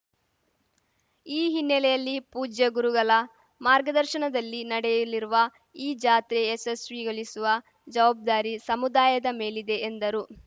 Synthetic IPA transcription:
iːɦinːɛlɛjɐlːipuːd͡ʒjɐɡuɾuɡɐlɐ | maːɾɡɐd̪ɐɾʃɐɳɐd̪ɐlːinɐɽɛjiliɾuʋɐ | iːd͡ʒaːt̪ɾeːsesʋiɡɐɭisuʋɐ | d͡ʒɐʋaːb̚d̪aːɾisɐmud̪aːjɐd̪ɐme̞ːlid̪e̞ːnd̪ɐɾu

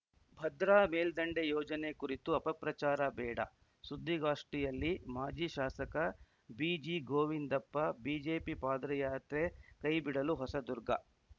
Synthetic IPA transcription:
bʱɐd̪ɾaːmeːld̪ɐɳɖejɔːd͡ʒɐnekuɾit̪uɐpɐpɾɐt͡ʃaːɾɐbɛːɽɐ̰ | sud̪ʱːiɡaːʂʈijɐlːimaːd͡ʒiːʃaːsɐkɐ | biːd͡ʒiːɡoːʋind̪ɐpːɐbiːd͡ʒe̞ːpipaːd̪ɾɐjaːt̪ɾekɐjbiɽɐluɦɔsɐd̪uɾɡɐ̰

